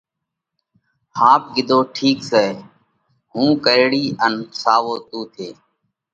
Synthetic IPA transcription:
haːp̚ɡɪd̪oːʈʰiːkseː | ɦũːkəjɽiːənsaːʋoːt̪uːt̪ʰeː

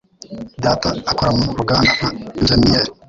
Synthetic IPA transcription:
d̪aːt̪aːkoɾamuɾuɡaːndahaenʒenieːɾi

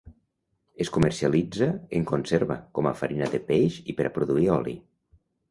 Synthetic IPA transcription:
eskuməɾsialid͡zaeŋkonseɾβakɔmafaɾinaðepejʃipeɾapɾuðuiɔlḭ

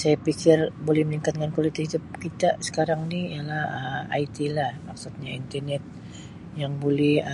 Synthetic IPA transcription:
sajapikɪrbolɛhməniŋkat̪̚ŋankwalit̪ɪid̪əp̚kit̪asə̥kaɾaŋniialahəa̰it̪ilahmaksut̪̚ɲaint̪ərnɛt̪̚ | jaŋbolɛh

